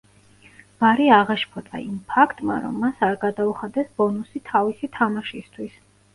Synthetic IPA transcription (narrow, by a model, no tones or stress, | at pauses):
vaɾiaʁaʃpʰɔt̪ʼa̰impʰakʰt̪ʼma̰ɾɔ̰mːasaɾɡad̪auχad̪ɛsbɔnusit̪ʰavisit̪ʰamaʃist̪ʰwis